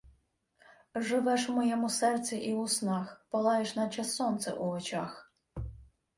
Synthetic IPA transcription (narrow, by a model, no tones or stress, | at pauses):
ʒɪʋɛʃmɔjɛmusɛrt̪sʲiʔiʊsnɑxpɔlˠɑjɪʃnɐt͡ʃɐsːɔnt̪sɛ̰ʔuɔt͡ʃɑx